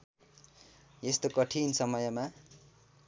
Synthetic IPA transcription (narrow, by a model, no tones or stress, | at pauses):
est̪okʌʈʰinsʌmʌjʌma